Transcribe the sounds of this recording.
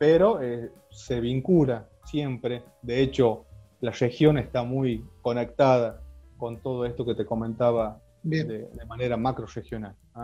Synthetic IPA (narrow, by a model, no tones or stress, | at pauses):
peɾo̞e | se̞βiŋkula | sje̞mpɾe | d̪eet͡ʃo̞ | larexjo̞nest̪amujko̞nek̚t̪að̞ako̞nt̪o̞ð̞oest̪o̞ket̪eko̞mẽnt̪aβa | bd̪ed̪emane̞ɾamakɾorexjo̞nal